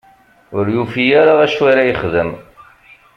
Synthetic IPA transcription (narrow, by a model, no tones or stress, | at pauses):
ʊɾjufijaɾaæʃwaɾajəχðəm